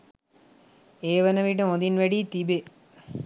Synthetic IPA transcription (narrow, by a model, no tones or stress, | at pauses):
eːʋɐnɐʋiʈ̬ɐmod̪inʋɐɽit̪ibe